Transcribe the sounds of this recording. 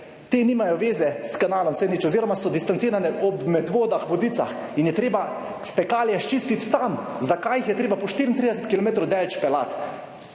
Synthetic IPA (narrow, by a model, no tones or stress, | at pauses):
t̪eːniːmajɔʋeːzɛskanaːlɔmsɛnit͡ʃɔziːɾɔmasɔd̪ist̪ant̪iːɾanɛɔbmɛd̪ʋoːd̪axʋɔd̪iːt̪sa̰x | injɛt̪ɾeːba | pɛkaːljɛʃt͡ʃist̪it̪ːamzakajixjɛt̪ɾeːbapɔʃt̪iːɾint̪ɾiːd̪ɛsɛt̪kilɔmeːt̪ɾowd̪ɛlt͡ʃpɛla̰t̪